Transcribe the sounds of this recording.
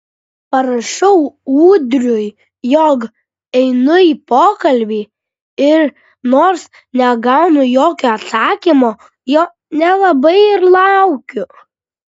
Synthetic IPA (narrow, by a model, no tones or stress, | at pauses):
pɐɾɐʃɔʊuːd̪ʲɾʲʊj | joːk | ɛɪnʊiːpoːkɐlʲbʲiː | ɪɾ | noːɾs | nʲɛɡɑʊnʊjoːkʲoːɐt̪sɑːkʲimoː | joː | nʲɛlˠɐbɐɪɪɾlˠɑʊkʲʊ